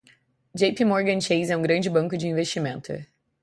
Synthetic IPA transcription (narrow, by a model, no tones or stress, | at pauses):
d͡ʒejpimoɾɡɐ̃nt͡ʃejzɛũɡɾɐ̃nd͡ʒɪbɐ̃ŋkʊd͡ʒɪĩveʃt͡ʃimẽnt̪ʊ̰